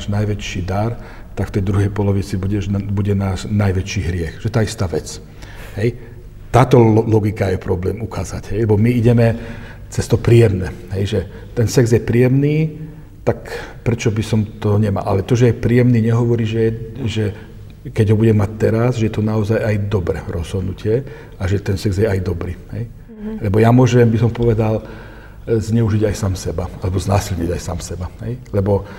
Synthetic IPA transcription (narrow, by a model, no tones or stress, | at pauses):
ʒnajʋɛt͡ʃiːd̪aɾ | t̪akft̪ɛjd̪ɾuɦɛjpɔlɔʋit͡sibuɟɛʒbuɟɛnaːʃnajʋɛt͡ʃiːɦɾɪɛxʒɛɛt̪aːist̪aːʋɛt͡s | ɦɛj | t̪aːt̪ɔlɔɡikajɛpɾɔblɛːmukaːza̰ɟɦɛjlɛbɔmiiɟɛmɛ | t͡sɛst̪ɔpɾiːjɛmnɛɦɛjʒɛ | t̪ɛnsɛɡzjɛpɾiːjɛmniː | t̪akpɾɛt͡ʃɔbisɔmt̪ɔɲɛma̰ːʔalɛt̪ɔʒɛjɛpɾiːjɛmniːɲɛɦɔʋɔɾiːʒɛɛʒɛ | kɛɟɦɔbuɟɛmːac̚t̪ɛɾazʒɛjɛt̪ɔnaɔzajajd̪ɔbɾɛ̰ɾʔɔz̥ɦɔd̪nucɪɛ | aʒɛt̪ɛnsɛɡzjɛajd̪ɔbɾḭːɦɛ̰j | lɛbɔjamʊɔʒɛmbisɔmpɔʋɛd̪al | zɲɛuʒiɟajsaːmsɛbaalɛbɔznaːsilɲḭɟajsa̰ːmsɛbaɦɛ̰jlɛbɔ